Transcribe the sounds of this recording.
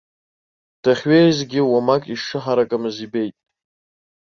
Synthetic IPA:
d̥aχʲɥejzɡʲɪwamakʼiʂɨħaɾakʼamɨzibe̞jtʼ

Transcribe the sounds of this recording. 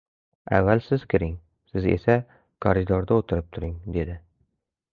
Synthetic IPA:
a̰vːalsɪz̥kʲʰɪɾɪŋ | sɪze̞̰sa | kʰɒɾɪd̪ɒɾd̪aot̪ʰɪɾɪp̚t̪ʰʊɾɪŋd̪e̞d̪ɪ

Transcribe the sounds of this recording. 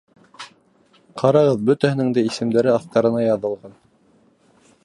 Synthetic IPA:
qʰɑɾɑʁɤðbɵ̆t̪æhɘ̆nɘ̆ŋd̪æisɘ̆md̪æɾɘɑθt̪ɑɾɤ̆nɑjɑðɤ̆lˠʁɑn

